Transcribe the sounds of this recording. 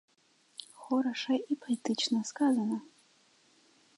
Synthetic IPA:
xɔɾɐʂɐʔipʰɐit̪ɨt͡ʃnɐskazɐnɐ

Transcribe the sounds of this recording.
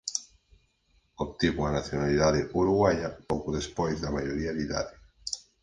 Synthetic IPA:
opt̪iβuanaθjonaliðaðeʔuɾuɣwaʎapokuðespojzðamajoɾiaðiða̰ðɪ

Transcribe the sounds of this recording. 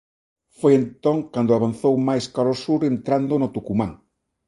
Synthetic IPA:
fojent̪oŋkand̪ʊaβan̟θowmajskaɾosuɾent̪ɾand̪onot̪ukumãŋ

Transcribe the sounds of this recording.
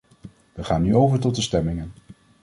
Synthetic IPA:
ʋəχaːnːyowvəɹt̬ɔt̚dəstɛmɪŋən

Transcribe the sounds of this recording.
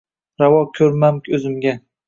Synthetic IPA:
ɾawɒkʲʰɵɾmamkʲɵzɪmɡʲa

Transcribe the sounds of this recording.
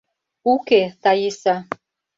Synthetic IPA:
uket̪ɑjesɑ

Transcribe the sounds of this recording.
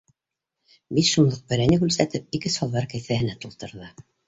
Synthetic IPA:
bit̪ʃunlɤq̚bɘ̆ɾænɘkʉlsæt̪ɘp̚ikɘsɒlˠðɑɾkæjθæhɘ̆næt̪ulˠt̪ɤ̆ɾðɤ

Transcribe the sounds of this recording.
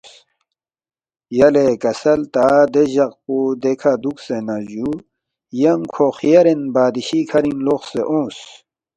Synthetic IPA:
jɐlekɐsɐlt̪aːd̪eʑɐq̚pud̪ekʰad̪uksenaʑu | jɐmkʰoxijɐɾenbaːd̪iɕikʰɐɾinloxseʔõːs

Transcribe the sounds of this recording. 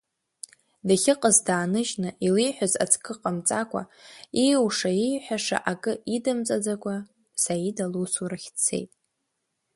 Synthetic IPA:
daχʲɪqʼəzdaːnɨʒnɨʔilijħʷᶣaza̰t͡sʰʼkʰʼɨqʼamt͡sʼakʷʼa̰iwʂaijħʷᶣaʂa̰ʔakʼɨidɨmt͡sʼad͡zakʷʼa | saidalusurɨχʲt͡sʰe̞̰jtʼ

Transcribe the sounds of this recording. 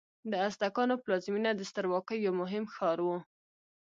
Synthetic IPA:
d̪əasd̪akɑnoplɑzminad̪əst̪əɾwɑkəjːawmʊɦɪmxɑɾwu

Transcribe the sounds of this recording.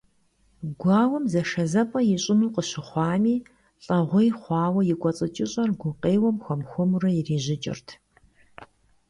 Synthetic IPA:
ɡʷɑːwɔmzɐʂɐzɐpʼɐjɪɕʼɪnuːqəɕɪχʷɑːmiː | ɬʼɐʁʷʊjχʷɑːwɐjɪkʷʼɔt͡sʼɐt͡ʃʼɪɕʼɐrɡʷʊqeːwɐmxʷɔmxʷʊmurɐjɪreːʑɪt͡ʃʼɪ̰rtʰ

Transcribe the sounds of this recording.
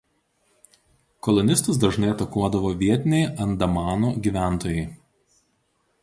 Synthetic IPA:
kɔlˠɔnʲɪst̪ʊs̬d̪ɐʒnɐɪɐt̪ɐkuɔd̪ɐʋoːʋʲiɛt̪ʲɪnʲɛɪɐnd̪ɐmɑːnuːɡʲiːʋʲæˑnˑt̪oːjɛɪ

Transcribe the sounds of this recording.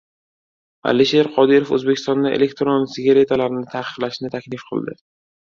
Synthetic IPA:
a̰liʃe̞ɾqʰɒd̪ɪɾofɵ̰zbekʲʰɪst̪ɒnd̪aʔelekʲt̪ɾonsɪɡʲaɾe̞t̪ʰalaɾnɪt̪ʰaqʰɨ̥qlaʃnɪt̪ʰakʲlɪfqʰɨ̰lˠd̪ɪ

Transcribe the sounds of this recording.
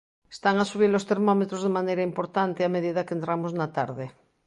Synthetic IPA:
e̥st̪aŋasuβ̞iɾlost̪eɾmomet̪ɾozðemanejɾaimpoɾt̪ant̪eameðiðakent̪ɾamoznat̪a̰ɾðe

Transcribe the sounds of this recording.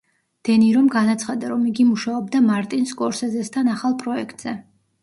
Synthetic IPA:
d̪̥ɛniɾɔmɡanat̪sʰχad̪aɾɔmiɡimuʃaɔb̚d̪amaɾt̪ʼinskʼɔɾsɛzɛst̪ʰanaχalˠpʼɾɔɛkʰt̪ʼz̥ɛ

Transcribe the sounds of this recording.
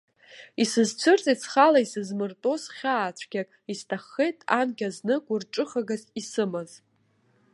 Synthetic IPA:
isɨzt͡ɕʷʰɨrt͡sʼit͡sʰχalaisɨzmɨrtʼo̞zχʲaːt͡ɕʷʰɡʲakʼistʰaχːejtʼa̰nɡʲaznɨkʷʼʊrʈ͡ʂʼɨχaɡazisɨmaz

